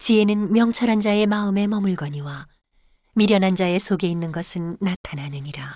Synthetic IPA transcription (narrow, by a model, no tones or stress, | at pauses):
t͡ɕie̞nɯnmjʌŋt͡ɕʰʌɾɦand͡ʑae̞maɯme̞mʌmuɭɡʌɲiwa | miɾjʌnɦand͡ʑaesʰoɡe̞inːɯnɡʌsʰɯnːatʰanɦanɯɲiɾa